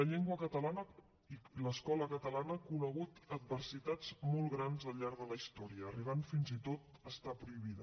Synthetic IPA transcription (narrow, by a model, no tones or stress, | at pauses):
ləʎɛŋɡwəkət̪əlanə | iləskɔləkət̪əlanəkunəɣ̞ut̪əd̪̚βərsit̪ad͡zmɔlˠɣɾanzəlˠʎaɾðələist̪ɔɾiəːriβ̞anfinzit̪ot̪əst̪apɾuiβ̞iðə